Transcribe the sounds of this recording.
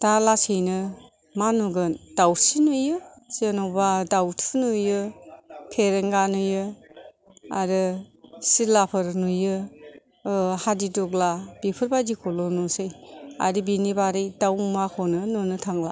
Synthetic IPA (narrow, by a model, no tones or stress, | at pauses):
d̥alasɯjnɯ | manuɡɯnd̥awsinujɯzenɔwbadawtʰunujɯ | pʰeɾeŋɡanujɯ | a̰ɾɯsilapʰɯɾnujɯ | hadidɔɡlab̥ipʰɯɾbadikʰɔlɔnɔsɯja̰ɾibinibaɾijdawmakʰɔnɯnunɯtʰaŋla